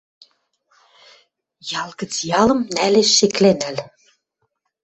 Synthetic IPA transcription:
jɑlˠɣə̆t͡sjɑlɤ̆mnæleʃːeklenæl

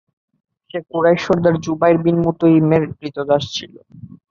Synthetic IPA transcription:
ʃekuɾajʃoɾd̪aɾd͡ʑubajɾbinmut̪oimeɾɾit̪od̪aʃt͡ɕʰḭlo̰

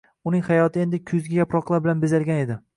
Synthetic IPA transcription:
ʊnɪŋhajɒt̪ʰɪe̞nd̪ɪkʰʊzɡʲajapɾɒqlˠaɾbɪlanbezalɡʲane̞d̪ɪ

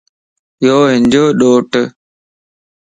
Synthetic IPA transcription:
joːɦɪnd͡ʑoːɗoːʈ

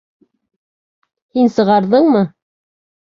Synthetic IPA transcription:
hinsɤ̆ʁɑɾðɤɴmɤ

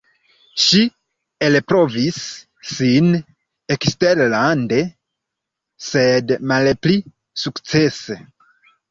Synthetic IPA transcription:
ʃi | elpɾo̞visː | in | eksteɾlande | se̞dmalpli | sukt͡se̞se

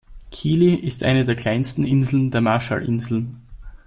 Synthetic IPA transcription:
kʰiːliʔɪstʔa̰ɪnədeːɐkʰl̥aɪnstn̩ʔɪnzl̩n̩deːɐmaɐʃa̰lʔɪnzl̩n

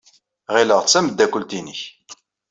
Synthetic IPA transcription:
ʁiləʁt͡sːæməd̪ːækʷːəlt̪inəç

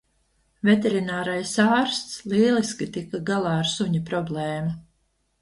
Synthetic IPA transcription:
vʲet̪eɾinaːɾajsaːɾst̪sliːlˠiskʲit̪ikaɡalˠaːaɾsuɲipɾɔblɛːmu

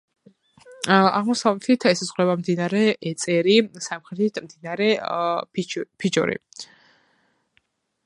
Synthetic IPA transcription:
a̰ʁmɔsavlɛt̪ʰit̪ʰɛsazʁlɛβamd̪inaɾɛɛt̪sʼɛɾisamχɾɛt̪ʰit̪ʰmd̪inaɾɛ | pʰit͡ʃʼɔ̰ɾḭ

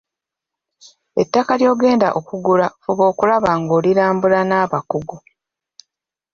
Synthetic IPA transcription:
etːakaljo̞ːɡe̞ːnda̰ʔo̞kuɡulafuβo̞ːkulaβaŋɡo̞ːliɾaːmbulanaːβakuɡu

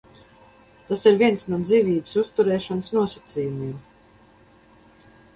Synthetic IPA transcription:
t̪asiɾviɛnsnuɔd̪ziːvʲiːbɨ̥sust̪uɾɛːʃɔnsnuɔsat̪siːjumiɛm

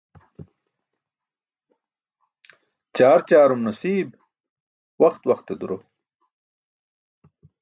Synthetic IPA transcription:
t͡ɕaːɾt͡ɕaːɾumnɐsiːb | wɐxt̪wɐxt̪ed̪uɾo

